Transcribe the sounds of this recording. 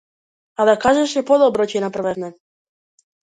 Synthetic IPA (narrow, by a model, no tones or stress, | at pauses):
ad̪akaʒɛʃɛpɔd̪ɔbɾɔcɛnaprvɛvnɛ